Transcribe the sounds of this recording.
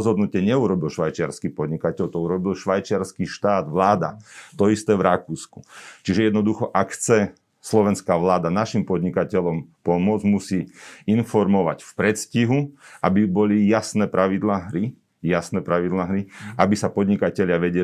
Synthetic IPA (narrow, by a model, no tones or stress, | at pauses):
zɦɔd̪nucɪɛɲɛuɾɔbilʃʋajt͡ʃɪaɾskipɔd̪ɲikacɛʎt̪ɔuɾɔbilʃʋajt͡ʃɪaɾskiʃt̪aːd̪ʋlaːd̪a̰t̪ɔist̪ɛːʋɾakuːsku̥t͡ʃiʒɛjɛd̪nɔd̪uxɔʔakxt͡sɛ | slɔʋɛnskaːʋlaːd̪anaʃimpɔd̪ɲikacɛʎɔmpɔmʊɔd͡zmusiːinfɔɾmɔʋa̰cfpɾɛt̪sciɦuʔabibɔlijasnɛːpɾʔaʋid̪laːɦɾi | jasnɛːpɾaʋid̪laːɦɾiʔabisapɔd̪ɲikacɛʎɪaʋɛɟɛ